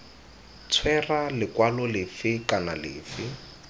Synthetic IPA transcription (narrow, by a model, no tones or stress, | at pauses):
t͡sʰwɛralɪkwalɔlɪfɪkanalɪ̰ːfɪ